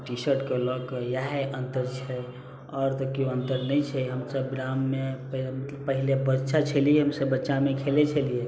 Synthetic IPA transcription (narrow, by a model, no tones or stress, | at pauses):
ʈisəɾʈkəlɔkjaɦeʔə̃nt̪əɾt͡ʃʰɛ | ɔɾt̪ɔkjoənt̪əɾnəjt͡ʃʰɛɦəmsəbɾamːepmpəɦilebətːʃat͡ʃʰəlijeɦəmsəbːətːʃamekʰelet͡ʃʰəlije